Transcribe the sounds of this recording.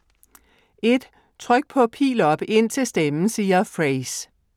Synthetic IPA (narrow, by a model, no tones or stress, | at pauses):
e̝d̥ | t͡sʰʁœɡ̥̚pʰɒ̽pʰḭːlɒ̽b̥e̝n̰t͡sʰe̝sd̥emn̩siːɐfʁeɪs